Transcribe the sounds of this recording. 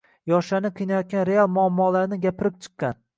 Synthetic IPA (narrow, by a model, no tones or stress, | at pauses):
jɒʃanɪqʰɨjnajɒt̪̚ɡʲanɾealˠmʊamːɒːlaɾnɪɡʲapʰɪɾɪp̚t͡ʃʰɨ̥qːɑn